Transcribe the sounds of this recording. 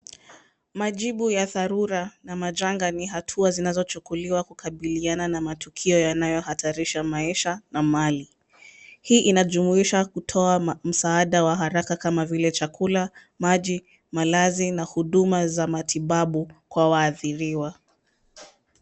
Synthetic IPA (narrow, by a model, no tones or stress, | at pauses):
maʄiɓujaθaɾuɾanamaʄaŋɡaniɦatʰuazinazɔt͡ʃukuliwakukʰaɓiliananamatukʰiɔjanajɔhatʰaɾiʃamaiʃanamali | hiːʔinaʄumuiʃakutʰɔam̩saaɗawaɦaɾakakamavilɛt͡ʃakʰula | maʄi | malazinahuɗumazamatʰiɓaɓukwawaːθiɾiwa